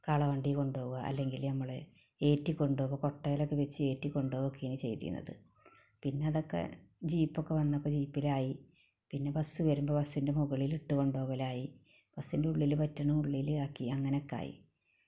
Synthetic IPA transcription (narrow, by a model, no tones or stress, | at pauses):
kaːɭɐʋɐɳɖiko̞ɳɖo̞ːɣuɣɐʔɐ̰lːe̞ŋɡilnɐmːɐɭ | e̞ːtːikʲːo̞ɳɖoʋoko̞ʈːɐjɐlokːeʋet͡ɕːɨe̞ːtːikʲːo̞ɳɖoːokːejɐnɨt͡ɕe̞̰jt̪ḭṵnːɐ̰ðɨ̰ | pinːe̞ɐðo̞kːe̞̰d͡ʑiːpːokːe̞ʋɐnːɐpːod͡ʑiːpːilaːji | pinːe̞bɐsːɨʋɐɾumbo̞bɐsːinde̞muɣɐɭiliʈːuko̞ɳɖo̞ːɣɐlaːji | b̥ɐsːinde̞uɭːilpɐtːɐɳɐmuɭːilaːkːiɐŋːɐneokːa̰ːjḭ